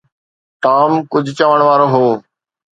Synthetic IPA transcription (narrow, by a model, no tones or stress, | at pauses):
ʈaːmkʊd͡ʑʱt͡ɕəʋəɽ̃ʋaːɾoːɦoː